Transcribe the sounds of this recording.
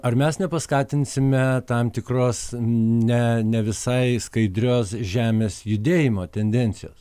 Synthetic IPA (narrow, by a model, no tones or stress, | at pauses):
ɐrmʲɛsnʲɛpɐskɑːt̪ʲɪnʲsʲɪmʲɛt̪ɐmt̪ʲɪkroːsnʲɛnʲɛʋʲɪsɐɪskɐɪd̪ʲɾʲoːsʒʲæːmʲeːsjʊd̪ʲeːjɪmoːt̪ʲɛnʲd̪ʲɛnʲtsʲɪjoːs